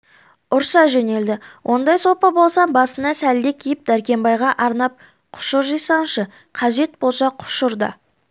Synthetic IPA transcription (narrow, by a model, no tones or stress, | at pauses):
ʊɾsɑʒene̞ld̪ɪwʔo̞nd̪ɑjso̞pɑbo̞lˠsɑmbɑsənɑsæld̪e̞kʲʰijɪp̚d̪æɾkʲe̞mbɑjʁɑʔɑɾnɑp̚ | qʰʊ̥ʃʊɾʒijsɑnʃə | qʰɑʒe̞t̪̚bo̞lˠʃɑqʰʊ̥ʃʊɾd̪ə̰